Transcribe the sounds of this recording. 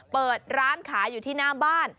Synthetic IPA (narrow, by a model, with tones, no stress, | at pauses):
pɤː˨˩t̪̚ɾaː˦˥nkʰaː˩˦juː˨˩t̪ʰiː˥˩naː˦˥mbaː˥˩n